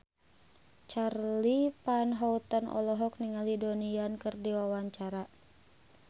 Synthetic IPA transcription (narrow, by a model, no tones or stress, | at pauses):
t͡ʃarlipanɦɔut̪ənʔɔ̰lɔɦɔk̚niŋalidoniankɨrdiwawaɲt͡ʃaɾa